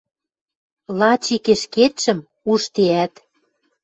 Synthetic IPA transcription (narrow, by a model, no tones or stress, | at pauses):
lɑt͡ɕikeʃket̪ʃə̆m | uʃt̪eæt̪